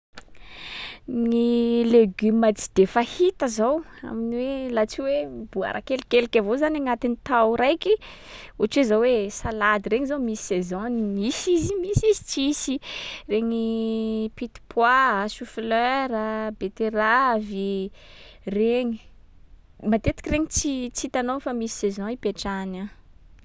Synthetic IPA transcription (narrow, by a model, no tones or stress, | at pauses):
nileɡymat͡si̥d̪̥efahit̪əzowa̰miniwelat͡siweb̥ua̰ɾʔa̰kelikelikʲavozanaŋat̪init̪awɾajki | ut͡ʃezawwesalad̪iɾeŋizomisi̥sezɔ̃nimisizimisizi̥t͡ʃisireŋipit̪i̥pʰwaʃufløɾəbet̪eɾavi | reŋi | mat̪et̪i̥kʲireŋit͡sit͡sit̪anofamisi̥sezɔ̃ipeʈ͡ʂana